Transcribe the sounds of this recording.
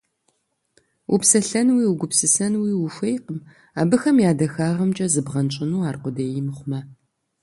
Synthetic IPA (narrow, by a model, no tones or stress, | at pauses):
ʔṵpsɐɬɐnwiːwuɡʷʊpsɨsɐnwiːwʊxʷejqəm | aːbɨxɐmjaːdɐxaːʁɐmt͡ʃʼɐzɨbʁɐnt͡ʃʼɪnuːaːrqʷʊdejɪmɨχʷʊmɐ